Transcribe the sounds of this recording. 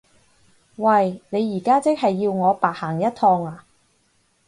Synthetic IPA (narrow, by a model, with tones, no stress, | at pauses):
wɐ˧˩jne˨˧jːiː˨˩kaː˥t͡sɪ˥k̚hɐ˨jːiː˧wŋɔː˨˧paː˨˩t̚haː˨˩ŋjɐ˥t̚t̪ʰɔː˧ŋaː˧